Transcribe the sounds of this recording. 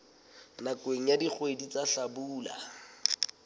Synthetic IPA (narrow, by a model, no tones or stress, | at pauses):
nakweŋ̩jadik͡xʰwedit͡saɬabuːla̰